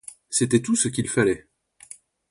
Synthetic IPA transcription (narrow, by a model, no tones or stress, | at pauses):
set̪ɛt̪usəkʲilfalɛ